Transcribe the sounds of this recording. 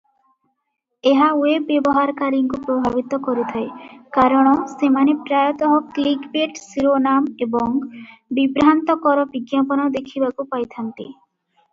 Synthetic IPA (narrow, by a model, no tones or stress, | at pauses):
eɦawebːebɔɦaɾkaɾiŋkupɾobʱabit̪ɔkoɾit̪ʰaekaɾɔɽ̃ɔsemanepɾajɔt̪ɔɦɔklikbeʈsiɾonamebɔŋbibɾant̪ɔkɔɾɔbiɡjapɔnad̪ekʰibakupajt̪ʰant̪ḭ